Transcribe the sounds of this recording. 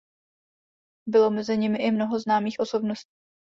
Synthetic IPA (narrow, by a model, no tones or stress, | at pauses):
bɪlo̞mɛzɪɲɪmɪʔɪmno̞ɦo̞znaːmiːxʔo̞so̞bnoscː